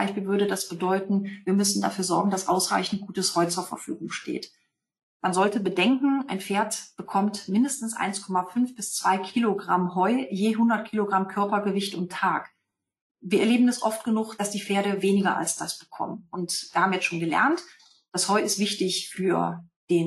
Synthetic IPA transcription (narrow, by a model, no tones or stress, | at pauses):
aɪçpiːlvʏɐɾədasb̥ədɔʏtn̩viːɐmʏsn̩da̰fyːɐzɔɐɡŋ̩dasʔaʊsʁ̥a̰ɪçn̩t̚ɡ̥uːtəshɔʏt͡suːɐfɛ̰ɐfyːɡʊŋʃtʰḛːt | manzɔltəbədɛŋkŋ̩ʔaɪnfeːɐtb̥əkʰɔmtmɪndəstn̩sʔa̰ɪnskʰɔmafʏnfb̥ɪst͡sv̥aɪkʰiːloɡʁamɦɔʏjeːɦʊndɐt̚kʰiːloɡʁamkʰœɐpɐɡəvɪçtʊntʰːaːk | viːɐʔɛɐleːbm̩ɛsʔɔft̚ɡ̥ənʊχd̥asd̥iːfeːɐɾəveːnɪɡɐ̰ʔa̰lsd̥asb̥əkʰɔ̰mənʔʊntviːɐhaːmjɛt͡ssʃoːnɡəlɛ̰ɐnt | d̥ashɔʏɪstv̥ɪçtɪçfyːɐ | d̥eːn